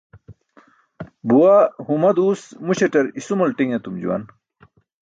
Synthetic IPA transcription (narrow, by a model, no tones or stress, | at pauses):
buwahumɐd̪uːsmuɕeʈɐɾisumɐlʈiŋet̪umd͡ʑṵwɐ̰n